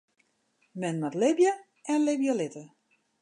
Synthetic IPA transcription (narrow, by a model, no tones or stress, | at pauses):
mɛnmɛtlɪbjə | ɛnlɪbjəlɪtə